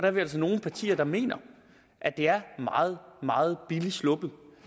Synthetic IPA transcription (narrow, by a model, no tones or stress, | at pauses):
d̥ɑbʋeælsɒno̝ːn̩pʰɑ̈t͡sʰḭːɐd̥ɑ̈me̝̰ːnɐ | ʔæd̥e̝æɐmɑ̰̈ːð̞̩ˠmɑ̈ːð̞̩ˠb̥ilislɔ̽b̥ð̩ˠ